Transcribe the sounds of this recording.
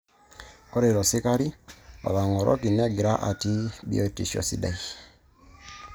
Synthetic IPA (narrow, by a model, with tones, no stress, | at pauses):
kɔ˦ɾɛ˨ɾɔ˨si˦ka˦ɾi˦a̰˨ka˨ŋɔ˨ɾʔɔ̰˦ki˨n˦a˦˨ɡi˨ɾa˦ʔa̰˨ti˦bḭ˦ɔ˦˨tḭ˨ʃɔ̰˨sḭ˨da˨i˨